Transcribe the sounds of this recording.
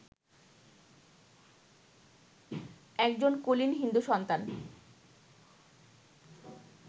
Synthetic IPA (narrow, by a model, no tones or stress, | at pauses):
ɛk̚d͡ʑonkolinɦind̪uʃɔnt̪an